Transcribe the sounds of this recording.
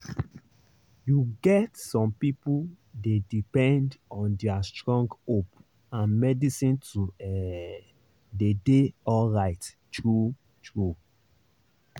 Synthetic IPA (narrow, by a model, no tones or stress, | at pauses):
juɡɛtsɔ̃mpipu | dedipɛ̃ndɔ̃ndɛastɹɔ̃ŋɡop | ãnmɛdisĩntuɛ | dedeɔlɹaɪt | tɹu | tɹu